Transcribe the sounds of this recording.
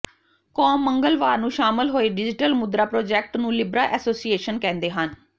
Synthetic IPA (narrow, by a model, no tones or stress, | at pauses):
kɔːmːəŋɡəlʋaːɾnũːʃaːmɪlɦoːeːɖɪd͡ʒɪʈəlmʊd̪ɾaːpɾoːd͡ʒɛːk̚ʈnũːlɪbɾaːʔɛːsoːsieːʃənkɛ̃ːnd̪eːɦən